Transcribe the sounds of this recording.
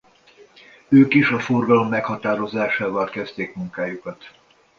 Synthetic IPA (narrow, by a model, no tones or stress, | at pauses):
øːkiʃɒforɡɒlo̞mːɛkhɒt̪aːɾo̞zaːʃaːvalkɛst̪eːkmuŋkaːjukɒt̪